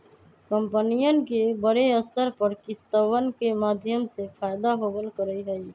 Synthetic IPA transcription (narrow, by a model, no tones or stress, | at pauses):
kəmpənijənkebəɾeəst̪əɾpəɾkɪst̪əʋənkemad̪ʱjəmsepʰajd̪aɦobəlkəɾəiɦəi